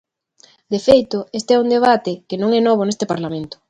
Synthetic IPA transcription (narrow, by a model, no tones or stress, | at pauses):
d̪efejt̪ʊest̪eɛuŋd̪eβ̞at̪ɪkenõŋɛnɔβ̞onest̪epaɾlamẽnt̪ʊ̥